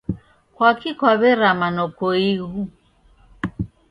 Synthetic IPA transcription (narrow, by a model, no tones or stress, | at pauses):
kwakʰikwaβɛɾamanɔkɔiɣu